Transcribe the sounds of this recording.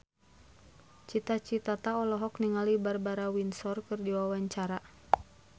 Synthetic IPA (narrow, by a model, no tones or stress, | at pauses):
t͡ʃit̪at͡ʃit̪at̪aɔlɔɦɔkniŋalibarbaɾawinsɔrkɨrdiwawaɲt͡ʃaɾa